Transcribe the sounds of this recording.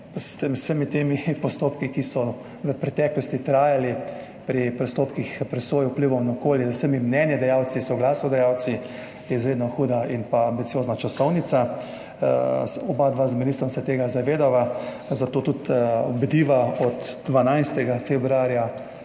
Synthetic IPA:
st̪əmsəmit̪eːmipɔst̪opkikisɔ | ʋəpɾɛt̪ɛːklɔst̪it̪ɾaːjali | pɾipɾɔst̪oːpkixpɾɛsʋoːjupliʋɔwnaɔkoːljɛzwsəmimnɛnjɛd̪ɛjawt̪sisɔɡlaːsnɔd̪ɛjaw̪si | jɛizɾeːd̪nɔxuːd̪ainpaːmbit̪sijoːznat͡ʃasɔwnit̪sa | ɔbad̪ʋazminist̪ɔmsɛt̪eːɡazaʋeːd̪aʋa | zat̪oːt̪ut̪ɔbd̪iːʋaɔt̪d̪ʋanajst̪ɛɡafebɾuaːɾja

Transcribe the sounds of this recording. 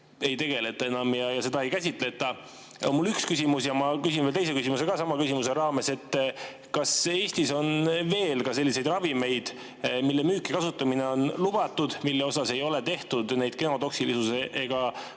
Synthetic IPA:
e̞jt̪e̞ɡ̥e̞le̞t̪ːˑɑe̞nɑmjɑjɑse̞d̪ɑe̞jkæsʲit̪ˑle̞t̪ːˑɑ | onmulykskysʲimusjɑmɑkys̬ʲinvelt̪ejs̬e̞kysʲimuse̞ɡ̥ɑsɑmɑkysʲimuse̞ɾɑːme̞se̞t̪ː | kɑse̞ːsʲt̪iso̞nve̞ːlkɑse̞lːise̞jd̪rɑvime̞jd̪̥ | milːemyːkːˑikɑsut̪ːˑɑmine̞o̞nlub̥ɑt̪ːˑud̪̥milːeo̞sɑse̞jo̞let̪e̞ht̪ud̪næjd̪̥ke̞no̞d̪o̞ksilisuseʔeɡ̥ɑ

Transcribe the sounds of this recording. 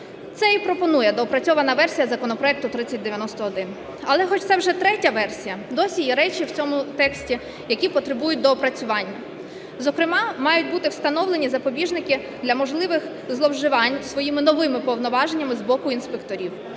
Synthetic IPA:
t̪sɛipɾɔpɔnujɛd̪ɔɔpɾɐt͡sʲɔʋɐnɐʋɛrsʲijɐzɐkɔnɔpɾɔɛk̚t̪ʊt̪ɾɪt͡sʲːɐt̚ʲd̪eʋjɐnɔst̪ɔɔd̪ɪn | ɐlˠɛxɔt͡ʃtsɛwʒɛt̪ɾɛtʲɐʋɛrsʲijɐd̪ɔsʲijiɾɛt͡ʃiwt͡sʲɔmʊt̪ɛksʲtʲi | jɐkʲipɔt̪ɾɪbujʊt̚ʲd̪ɔːpɾɐt͡sʲʊʋɑnʲːɐ | zɔkɾɪmɑmɑjʊt̚ʲbut̪ɪwst̪ɐnɔwlˠenʲizɐpɔbʲiʒnɪkɪ | d̪lʲɐmɔʒlˠɪʋɪx | zlˠɔwʒɪʋɑnʲsʋɔjimɪnɔʋɪmɪpɔwnɔʋɑʒenʲːɐmɪzbɔkʊinspekt̪ɔɾʲiw

